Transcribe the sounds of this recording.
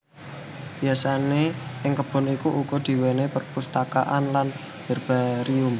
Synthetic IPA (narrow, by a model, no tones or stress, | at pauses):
b̥iasaneʔɪŋkəb̥ɔ̤nikuʔukɔd̪̥i̤wenepərpust̪aka̰ʔanlan | b̥ə̤rb̥aɾiʊm